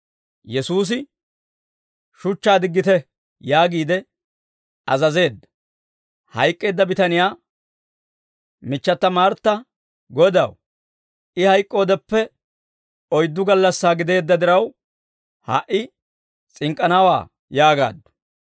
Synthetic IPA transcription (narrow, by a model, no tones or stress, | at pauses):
jɛsuːs̬ɪ | ʃʊt͡ʃːaːd̪ɪɡːɪt̪ɛ | jaːɡiːd̪ɛ | ɐzɐze̞ːd̪ːɐ̥ | hɐjkʼːe̞ːd̪ːɐbɪt̪ɐnɪjaː | mɪt͡ʃːɐt̪ːɐmaːɾt̪ːɐ | ɡɔd̪ɐ̰w | ɪhɐjkʼːo̞ːd̪ɛpːɛ | ɔjd̪ːʊɡɐlːɐsːaːɡɪd̪e̞ːd̪ːɐd̪ɪɾɐw | ha̰ʔɪ | t͡sʼɪŋkʼːɐnaːwa̰ː | jaːɡa̰ːd̪ːʊ̥